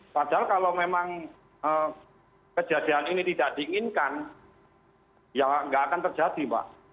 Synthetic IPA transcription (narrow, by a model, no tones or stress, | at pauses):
pad̥alkalomemaŋ | ə | kə̥d͡ʒad̥ianinit̪id̥aʔd̥iiŋɪnkan | jaŋŋɡaʔakant̪ərd͡ʒad̥ipa̰ʔ